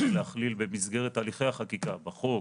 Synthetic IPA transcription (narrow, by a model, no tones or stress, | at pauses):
lehaχlilbe̞misɡe̞ʁet̪aliχejhaχakikabaχo